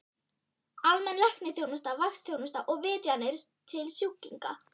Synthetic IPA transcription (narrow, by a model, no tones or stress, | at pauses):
almɛnlɛhknɪθjownʏst̪avaxst̪θjownʏst̪aʔɔɣvɪːt̪janɪɾ̥st̪ʰɪlsjucːiŋka̰